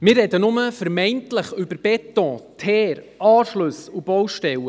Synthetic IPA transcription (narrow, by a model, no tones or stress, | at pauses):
mɪːrɛd̪ənʊməfəɾmɛɪntləχʏbəɾb̥ɛt̪ɔ̃t̪ʰɛːɾ | ɑːʃlɵsub̥ɔwʃtɛwə